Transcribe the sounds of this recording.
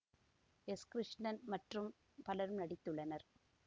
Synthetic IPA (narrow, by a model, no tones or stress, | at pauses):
ɛskɾɪʂnɐnmɐʈrɯm | pɐlɐɾɯmnɐɽɪt̪ːɯɭːɐnɐɾ